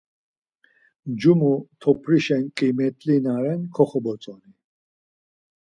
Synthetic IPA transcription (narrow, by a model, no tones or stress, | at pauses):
d͡ʒumut̪ʰɔpʰɾiʃɛnkʼimɛt̪ʼlinaɾɛnkʰɔχɔbɔt͡sʼɔni